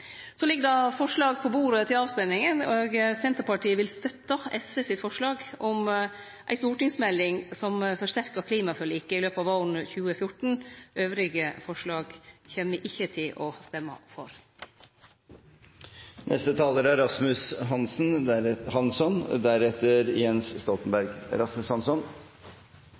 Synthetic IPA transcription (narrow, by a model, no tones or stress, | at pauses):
sɔlɪɡːəd̪ɑfɔʂɭɑːɡ̚pʰɔbuːɾət̪ʰɪlɑːʋst̪ɛmɪŋənoːɡsɛnt̪əɾpɑʈiːəʋɪlst̪œt̪ːəɛsʋesɪt̪fɔʂɭɑːɡɔm | ʔæ̰ɪst̪uːʈɪŋsmɛlːɪŋsɔmfɔʂt̪æɾkɑkʰliːmɑfœɭiːkːəɪløːpɑːʋɑʊɳəçʉːəfjʊʈɳ̩ʔøːʋɾɪɡəfɔʂɭɑːɡçeːməʔɪçːət̪ʰɪlʔɔst̪ɛmːə̰fɔ̰ɾ | nʔɛ̰st̪ət̪ʰɑːləɾæɾɑsmʉsɦɑnsn̩hɑnsɔnd̪æɾɛt̪ːəɾjɛnsst̪ɔlt̪nbæɾɡ̰ɾɑsmʉshɑnsɔn